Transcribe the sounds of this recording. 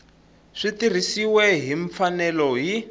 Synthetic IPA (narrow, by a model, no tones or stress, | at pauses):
ʂitir̤isiwɛɦiɱfanɛlɔɦi